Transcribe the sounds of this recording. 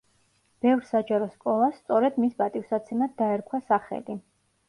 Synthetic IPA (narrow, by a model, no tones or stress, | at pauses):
b̥ɛvɾsad͡ʒaɾɔskʼɔlˠasːt̪sʼɔɾɛd̪misbat̪ʼifsat̪sʰɛmad̪d̪aɛɾkʰwasaχɛ̰li